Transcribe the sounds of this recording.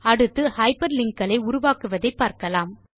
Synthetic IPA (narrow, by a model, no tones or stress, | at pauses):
ɐɽɯt̪ːɯhɐɪpɐɾlɪŋkɐlɐɪʊɾʊʋaːkɯʋɐðɐɪpːaːɾkɐlaːm